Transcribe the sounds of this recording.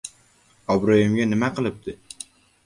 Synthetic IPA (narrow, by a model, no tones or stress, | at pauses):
ɒbɾojɪmɡʲanɪmaqʰɨlˠɪp̚t̪ʰɪ